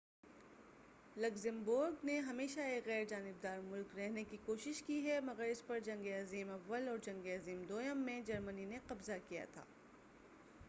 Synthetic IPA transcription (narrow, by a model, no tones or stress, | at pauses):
lɐkzɪ̃mbʊɾɡneɦɐmeːʃaeːkɣɛːɾd͡ʒaːnɪb̚d̪aːɾmʊlkɾɛɦnekikoːʃɪʃkiɦɛmɐɡəɾɪspɐɾd͡ʒɐ̃ŋɡeaziːmɐʋːəlɔːɾd͡ʒɐ̃ŋɡeaziːmd̪oːjəmːẽd͡ʒɐɾmənineqɐbzakija̰t̪ʰa̰ː